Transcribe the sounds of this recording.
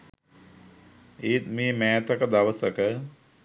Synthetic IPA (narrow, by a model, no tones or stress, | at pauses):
iːt̪meːmɛːt̪əkəd̪aʋəsəkə